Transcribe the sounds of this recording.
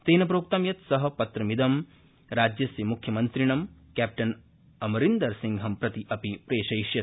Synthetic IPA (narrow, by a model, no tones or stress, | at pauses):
seːnɐp̬ɾoːk̚t̪ɐmjɐt̪sɐɦɐ̆pɐt̪ɾɐmid̪ɐm | ɾaːd͡ʒjɐsimukʰjɐmɐnt̪ɾiɳɐmkæːp̚ʈɐn | ɐmɐɾind̪ɐɾsiŋɡɦɐmpɾɐt̪iʔɐpipɾeːʃɐjʃjɐ